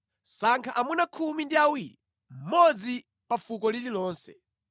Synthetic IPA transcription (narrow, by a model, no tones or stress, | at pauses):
saŋkʰaʔamunakʰumindiawiːɾi | m̩mɔd͡zi | pafukɔlililɔːnsɛ̰